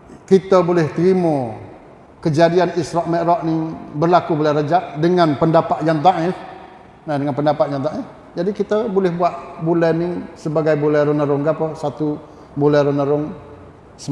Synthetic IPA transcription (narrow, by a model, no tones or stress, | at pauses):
kit̪əbolɛht̪əɾimo | kəd͡ʒadianisɾɔʔmɛʔɾɔʔnibərlakubolɛɾad͡ʒaʔdəŋanpəndapaʔjant̪̬aʔɪ | nadəŋanpəndapaʔ̪̚jant̪aʔɪ | d͡ʒadikit̪əbolɛhbuaʔbulɛnisəbaɡajbulɛɾənəɾʊŋɡapəsat̪u | bolɛɾənəɾʊŋ | səm